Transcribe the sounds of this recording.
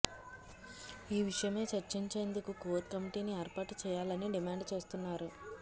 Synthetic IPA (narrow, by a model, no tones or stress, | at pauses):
iːʋiʂɐjɐme̞ːt͡ʃɐɾt͡ʃiɲt͡ʃe̞ːnd̪ukukoːt̪̚kɐmiʈiːnieːɾpaːʈt͡ʃɛːjaːlɐniɖimaːɳɖt͡ʃeːst̪unːaːɾu